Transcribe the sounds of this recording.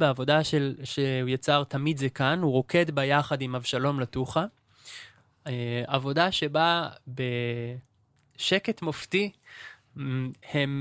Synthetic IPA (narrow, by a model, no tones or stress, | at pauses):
beavo̞daʃelʃehujat͡saʁt̪amid̪zekanuʁo̞kʰe̞dbajaχadimavʃalo̞mlatuχa | avo̞daʃe̞babe̞ | ʃe̞ketmofti | hem